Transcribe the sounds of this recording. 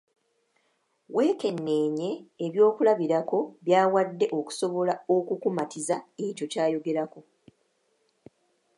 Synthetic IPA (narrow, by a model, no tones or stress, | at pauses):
we̞ːke̞nːe̞ːɲe̞ːβjo̞ːkulaβiɾako̞βjaːwadːe̞ʔo̞ku̥so̞βo̞lao̞kukumatizae̞co̞caːjo̞ɡe̞ɾako̞